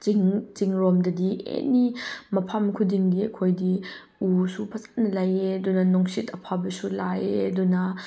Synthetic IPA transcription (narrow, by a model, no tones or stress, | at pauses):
iŋt͡siŋɾɔmdɐdiʔḛnimɐpʰɐmkʰudiŋdiɐkʰojdi | usupʰɐt͡sḁtnɐlɐjedunɐnɔŋsitɐpʰabɐsulajedunɐ